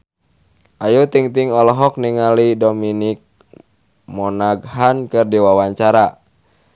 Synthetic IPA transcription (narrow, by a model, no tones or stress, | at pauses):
ʔajut̪iŋt̪iŋɔlɔɦɔk̚niŋalidɔminik̚ | mɔnaɡɦankɨrdiwawaɲt͡ʃaɾa